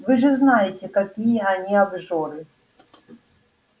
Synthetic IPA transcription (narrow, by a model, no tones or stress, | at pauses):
vɨʐɨznajɪtʲekɐkʲijəɐnʲiabʐɔɾɨ